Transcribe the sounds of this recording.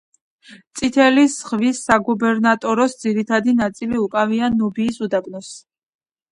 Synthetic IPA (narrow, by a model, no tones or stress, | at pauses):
t̪sʼit̪ʰɛlisʁvisːaɡubɛɾnat̪ʼɔɾɔsd̪ziɾit̪ʰad̪inat̪sʼiliukʼavianɔbiːsud̪abnɔs